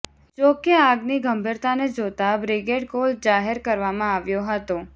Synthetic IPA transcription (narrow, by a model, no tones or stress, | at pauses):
d͡ʒokeaɡniɡʱəmbʱiɾt̪aned͡ʒot̪abɾɪɡeɖkold͡ʒaɦeɾkəɾʋamãaʋjoɦət̪o